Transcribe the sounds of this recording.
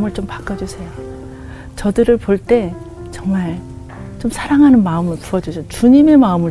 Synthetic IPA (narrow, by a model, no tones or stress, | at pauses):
mɯɭt͡ɕompḁk͈ʌd͡ʑusʰe̞jo | t͡ɕʌdɯɾɯɭpoɭt͈e̞ | t͡ɕʌŋmaɭ | t͡ɕomsʰaɾaŋɦanɯnmaɯmɯɭpuʌd͡ʑusʰet͡ɕuɲime̞maɯmɯɭ